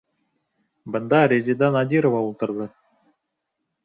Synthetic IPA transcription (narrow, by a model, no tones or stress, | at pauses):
bɤ̆nd̪ɑɾʲezʲid̪ɑnɑd̪ʲiɾovɑulˠt̪ɤ̆ɾd̪ɤ